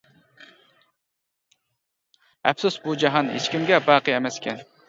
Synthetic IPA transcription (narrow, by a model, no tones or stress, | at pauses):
ɛ̰fsusbud͡ʒɑɦɑnɦḛt͡ʃkʲimɡʲɛbɑːqɨemɛskʲʰɛn